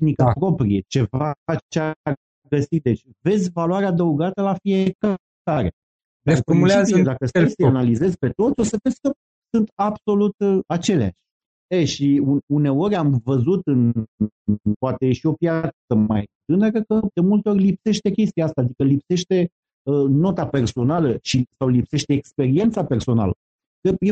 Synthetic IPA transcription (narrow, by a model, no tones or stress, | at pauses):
nikəpɾo̞pɾije̞t͡ʃe̞vat͡ʃea | ɡəsit̪̚d̪e̞t͡ʃʲ | ve̞zʲvalwaɾead̪əuɡat̪əlafieka | aɾe | d̪afomuleazid̪akəsesanalize̞zʲpe̞t̪o̞t̪sʲo̞səvezʲkə | sunt̪abso̞lut̪at͡ʃe̞lea̰ʃʲ | eʃiuune̞o̞ɾʲamvəzut̪ɨn | poat̪ejeʃio̞pjaəma̰jt̪ɨnəɾəkəd̪e̞mult̪e̞o̞rʲlipse̞ʃt̪e̞kʲe̞st̪iaast̪aːd̪ikəlipse̞ʃt̪e̞ | əno̞t̪ape̞rso̞naləʃisawlipse̞ʃt̪e̞ːkspe̞ɾie̞nt̪sape̞rso̞na̰lə̰ | kəje